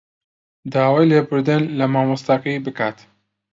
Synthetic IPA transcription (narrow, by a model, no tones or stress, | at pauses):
d̪aːwaːjleːbɨɾd̪ɨnlɐmaːmɨst̪aqijbɨkaːt̪